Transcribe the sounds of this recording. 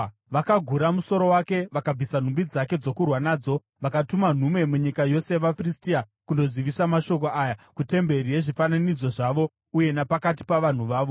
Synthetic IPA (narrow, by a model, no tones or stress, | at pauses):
ʋakaɡʱuɾamuso̞ɾo̞wake̞ʋakab͡visan̤umbid͡zake̞d͡zo̞kurwanaːd͡zo̞ | ʋakatuman̤ume̞muɲikajo̞seʋafristia | kundo̞ziʋisamaʃo̞ko̞ʔaːjakute̞mbe̞ɾijeʐifananid͡zo̞ʐaʋo̞ | uje̞napakati̥paʋan̤uʋaːʋo